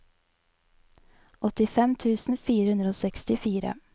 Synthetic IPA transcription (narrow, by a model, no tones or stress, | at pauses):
ʔɔt̪ɪfɛmt̪ʰʉːsn̩fiːɾəhʉnd̪ɾəoːsɛkst̪ɪfiːɾə̰